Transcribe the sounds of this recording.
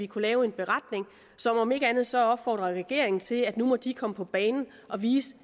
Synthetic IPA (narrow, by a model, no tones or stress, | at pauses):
ikʰulɛːʊe̝nb̥e̝ʁɑ̈d̥ne̝ŋ | sɒ̽mɒ̽me̝ɡ̥əænð̞̩ˠsɒ̽ɒ̽b̥fɒ̰ːd̥ʁɐʁɛɡ̥e̝ɐ̰e̝ŋn̩t͡sʰe̝læd̥numɒ̽d̥ikʰɒ̽məpʰɒ̽b̥ɛːnn̩ | ʔɒ̽ʋiːsə